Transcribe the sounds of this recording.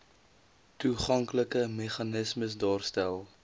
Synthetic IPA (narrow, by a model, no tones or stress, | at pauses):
tuχɐŋkləkəmɛχɑnəsməsdɑːrstælˠ